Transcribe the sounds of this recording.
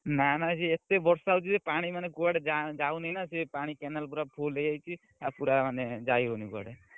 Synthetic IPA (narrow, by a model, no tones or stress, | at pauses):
nanad͡ʒiet̪ebɔɾsawt͡ʃʰisepaɽ̃imaneɡuaɽed͡ʒad͡ʒaunanasepaɽ̃ikɛnəlp̬uɾapʰolejajt͡ʃʰi | apuɾamaned͡ʒaiɾonikua̰ɽe